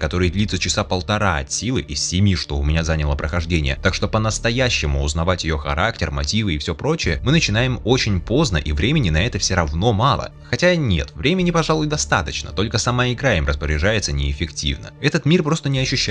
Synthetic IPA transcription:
kɐt̪o̞ɾɨjd̪lʲit̪sət͡ɕɪsapəlˠt̪ɐɾaɐ̰tsʲilˠɨʔisːʲɪmʲiʂt̪o̞ʊmʲɪnʲazanʲɪlˠəpɾəxɐʐdʲenʲɪjə̰t̪akʂt̪o̞pənəst̪ɐjæɕːɪmʊʊznɐvatʲjɪjo̞xɐ̰ɾaktʲɪrmɐtʲivɨɪfsʲopɾo̞t͡ɕɪjəmɨnət͡ɕɪnajɪmo̞t͡ɕɪnʲpo̞znəʔivɾʲemʲɪnʲɪnɐɛt̪əfsʲɪɾɐvno̞mɑlˠə̰ | xɐtʲanʲe̞̰t̪vɾʲemʲɪnʲɪpɐʐalˠʊjd̪ɐst̪a̰t̪ət͡ɕnə̰t̪o̞lʲkəsɐmaɪɡɾajɪmrəspəɾʲɪʐajɪt̪sənʲɪɪfʲɪktʲḭvnə̰ɛt̪ət̪mʲirpɾo̞st̪ənʲɪɐɕːʉɕː

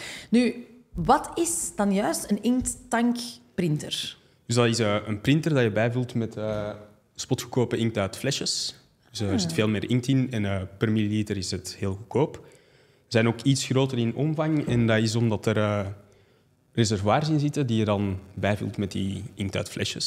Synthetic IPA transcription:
ny | ʋɑtɪsd̥ɑnjœːstənɪŋk̚ttɑŋkprɪntə̰r | d̥ʏszdɑtɪsəʔənprɪntərdɑjəbɛjvuːlˠtmɛtəː | spɔtxəkoːpəʔɪŋktœɥtflɛʃəs | ʏsəərzɪtfeːlˠmɪːrʔɪŋk̚tɪnɛnəːpərmililiːtəɾɪsətheːlˠɣəkʰoːp | ərzɛjnoːkitsxroːtərɪnɔmvɑŋɛndɑɪs̬ɔmdɑtəɾəː | rezɛrvwaːrzɪnzɪtədijədɑnbɛjvṵlˠtmɛt̚diɪŋk̚tœ̰ːtflʔɛ̰ʃəs

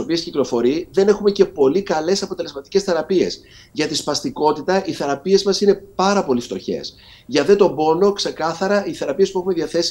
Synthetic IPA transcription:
opiesciklo̞fo̞ɾiðe̞ne̞xume̞ce̞po̞likɐle̞sɐpo̞t̪e̞le̞zmɐt̪ice̞sθe̞ɾɐpie̞s | ʝɐt̪ispɐst̪iko̞t̪it̪ɐʔiθe̞ɾɐpie̞zmɐsine̞pɐɾɐpo̞lift̪o̞çe̞̰s | ʝɐðet̪o̞bo̞no̞kse̞kɐθɐɾɐiθe̞ɾɐpiespuexume̞ðiɐθe̞si̥

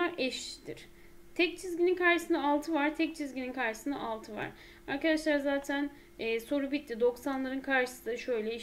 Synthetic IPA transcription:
aɾʔɛʃt̪ʰiɾ̥ | t̪ʰɛc̚t͡ʃʰizɟininkʰaɾʃɯsɯnaalˠt̪ʰɯvaɾt̪ʰɛc̚t͡ʃʰizɟininkʰaɾʃɯ̥sɯna̰ʔalˠt̪ʰɯva̰ɾ̥ | aɾkad̪aʃlˠaɾazaːt̪ʰænː | so̞ɾubit̪ːid̪o̞ksanlˠaɾɯnkʰaɾʃɯ̥sɯnaʃø̞jlʲɛi

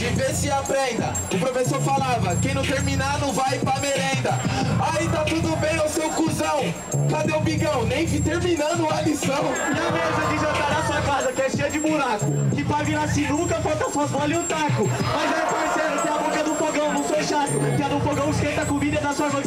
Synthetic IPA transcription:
ɪvesɪapɾẽnd̪ɐ̰ | ʊpɾofesoɾfalavɐkẽj̃nɐ̃w̃t̪eɾmĩnanɐ̃w̃vajpameɾẽnd̪ɐait̪ãt̪ũd̪ʊbẽj̃awsewkuzɐ̃w̃ | kad̪ẽw̃biɡɐ̃w̃nẽj̃kit̪eɾminɐ̃nd̪ʊalisɐ̃w̃ãmezɐ̃k̪ɪ̃ʒɐ̃t̪aɾɐsuɐkazɐkɛɾʃejɐd͡ʒɪbuɾakʊkɪpaviɾasĩnũkɐfɔt̪ɐfɔzmɔlɪʊ̃t̪akʊmajzat̪eɾsejɾɐseabõkɐd̪ʊ̃foɡɐ̃w̃nɐ̃w̃feʃat̪ʊkɪɛd̪ũfoɡɐ̃w̃ɪskẽt̪ɐkomid̪ɐd̪ɐsuɐvɐ̃

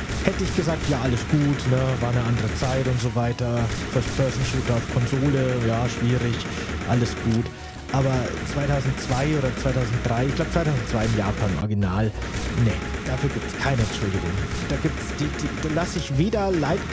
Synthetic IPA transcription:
hɛtəɪçɡ̥əzaːk̚tjaːʔaləsɡ̥uːtnəvaːɐnəʔandəʁət͡saɪtʊntz̥ovaɪtɐfɛɐstfʰɛɐzn̩ʃuːtɐaʊfkʰɔnzoːləjaːʃv̥iːʁɪç | ʔaləsɡ̥uːt | ʔaːbɐt͡sv̥aɪtʰaʊzn̩tt͡sv̥aɪʔoːdɐt͡sv̥aɪtʰaʊzn̩t̚d̥ʁaɪɪçɡ̥laʊbət͡svaɪtʰaʊzn̩t͡sv̥aɪɪmjaːpʰaːnʔɔ̰ɐɡinaːl | nəd̥afyːɐɡiːp̚tskʰaɪnəɛnʃʊldɪɡʊ̰ŋ | d̥aːɡiːp̚tsd̥iːdiːd̥aːlasɪçveːdɐlaɪt

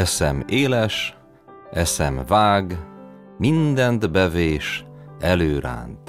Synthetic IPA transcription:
ɛsɛmeːlɛʃ | ʔɛsɛmvaːɡ | mind̪ɛnt̪bɛveːʃɛløːɾa̰ːnt̪

